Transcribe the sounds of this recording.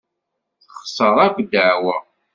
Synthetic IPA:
θχsəɾˤækʷd̪əʕwə

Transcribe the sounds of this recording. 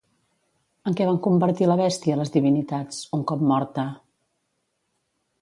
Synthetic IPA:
əŋkɛβaŋkumbəɾt̪iləβ̞ɛst̪iələzðiβinit̪at͡suŋkɔpmɔɾt̪ə

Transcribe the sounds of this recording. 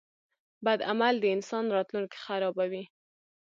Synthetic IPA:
bad̪amald̪əɪnsɑnɾɑt̪lunke̥xaɾɑbawi

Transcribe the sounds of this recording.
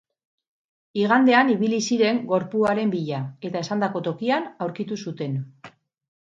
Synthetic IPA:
iɣ̞and̪e̞aniβilisiɾe̞ŋɡo̞ɾpuaɾe̞mbiʎae̞t̪ae̞sand̪ako̞t̪o̞kianawɾkit̪usut̪e̞n

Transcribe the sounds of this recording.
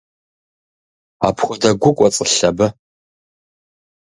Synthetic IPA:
a̰pʰχʷɔdɐɡʷʊkʷʼɔt͡sʼəɬɐbɨ

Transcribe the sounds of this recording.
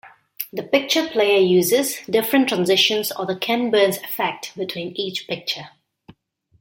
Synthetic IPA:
d̪əpɪk̚t͡ʃəpʰleɪəjuːzɪzdɪfɹə̃ntʰɹãnzɪʃə̃nsɔðəkʰɛ̃nbəːnsɪfɛk̚tbɪtʰwĩːniːt͡ʃpɪk̚t͡ʃə

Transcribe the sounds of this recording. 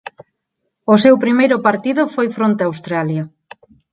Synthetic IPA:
ʊsewpɾimejɾʊpaɾt̪iðʊfojfɾont̪eawst̪ɾalja

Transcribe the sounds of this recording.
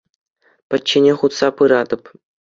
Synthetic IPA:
pʲɘ̆t͡ɕːenʲeχut̪sɑpɯɾɑd̪ɤ̆p

